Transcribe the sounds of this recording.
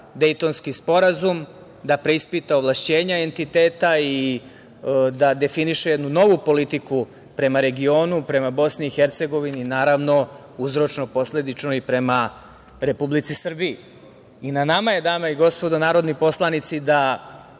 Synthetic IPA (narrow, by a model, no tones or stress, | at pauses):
d̪e̞jt̪o̞nskispo̞ɾazum | d̪apɾe̞ispit̪aoʋlˠaʃt͡ɕe̞ːɲae̞nt̪it̪e̞ːt̪ai | d̪ad̪e̞finiʃejed̪nuno̞ʋupo̞lit̪iku | pɾe̞maɾe̞ɡio̞ːnupɾe̞mabo̞sniːxe̞ɾt̪se̞ɡo̞ʋininaːɾaʋno̞ | uzɾo̞t͡ʃno̞po̞sle̞d̪it͡ʃnoipɾe̞ma | ɾe̞publit̪sisr̩biː | inanamaje̞d̪aːmaiɡo̞spo̞d̪anaːɾo̞d̪nipo̞slˠanit̪sid̪a